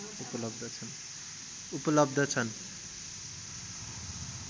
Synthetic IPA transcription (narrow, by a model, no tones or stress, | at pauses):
upʌlʌb̚d̪ʱʌt͡sʰʌn | upʌlʌb̚d̪ʱʌt͡sʰʌn